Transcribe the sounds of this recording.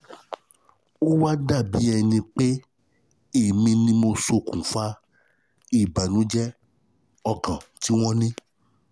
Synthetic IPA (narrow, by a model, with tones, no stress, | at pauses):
o˦wa˦da˦˨bi˨˦ɛ˧nĩ˧k͡pe˦ | i˦˨mĩ˧nĩ˧mo˧so˧kũ˨fa˦ | i˦˨ba˨nũ˨˦d͡ʒɛ˦ | ɔ˧kã˨ti˦w̃ɔ̃˦nĩ˦